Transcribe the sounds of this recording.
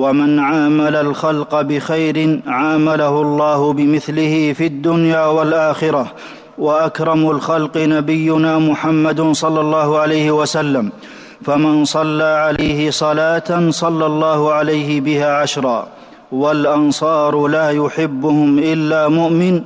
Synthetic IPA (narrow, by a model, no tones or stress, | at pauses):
wamɪnʕaːmalalxalqɑbɪxajɾɪnʕaːmalahʊlˤːɑːhʊbɪmɪθlɪhiːfiad̪ːʊnjaːwalʔaːxɪɾɑ | waʔakɾˤɑmʊlxalqɨnabɪjːʊnaːmʊħamːad̪sˤɑlːɑlˤːɑːhʊʕalajhɪwasalːam | famɪnsˤɑlːaːʕalajɦɪsˤɑlaːt̪asˤɑlːɑlˤːɑːhʊʕalajhɪbɪhaːʕaʃɾˤɑː | walʔɑnsˤɑːɾˤlaːjʊħɪbːʊhʊmʔɪlːaːmʊʔmɪn